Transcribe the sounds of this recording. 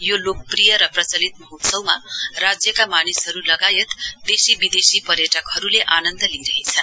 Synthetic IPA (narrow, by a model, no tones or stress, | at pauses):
jolok̚prijʌɾʌprʌt͡sʌlit̪̚mʌɦut̪sʌwmarad͡zjʌkamanisɦʌɾulʌɡajet̪d̪esibid̪esipʌɾjʌʈʌkɦʌɾuleʔanʌnd̪ʌliɾʌɦet͡sʰʌ